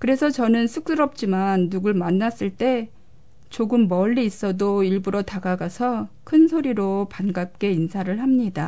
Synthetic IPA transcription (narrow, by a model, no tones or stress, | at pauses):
kɯɾe̞sʰʌt͡ɕʌnɯnsʰuk̚s͈ɯɾʌp̚t͡ɕ͈imanːuɡɯɭmanːas͈ɯɭt͈e̞ | t͡ɕoɡɯmːʌʎːiːs͈ʌdoiɭbuɾotaɡaɡasʰʌkʰɯnsʰoɾiɾopanɡap̚k͈e̞insʰaɾɯɭhamɲida